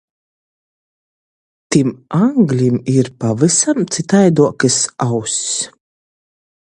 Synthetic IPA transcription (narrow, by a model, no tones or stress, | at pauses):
t̪imaŋɡlʲimiɾpavɨsamt̪sit̪ajd̪uɔkɨsawsʲs